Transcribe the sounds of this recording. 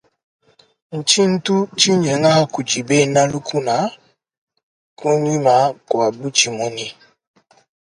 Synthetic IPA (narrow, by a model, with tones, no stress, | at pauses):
n̩˨t͡ʃi˦n̩˦tu˦t͡ʃi˦ɲe˨ŋa˦˨ku˨d͡ʒi˨be˦˨na˦lu˦kʰu˦na˨˦ | ku˦ni˦ma˨˦kwa˨bu˦t͡ʃi˨mɔ˦ni˦